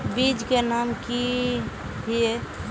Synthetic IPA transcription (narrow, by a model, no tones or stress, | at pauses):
bid͡ʒkenaːmki | bʱie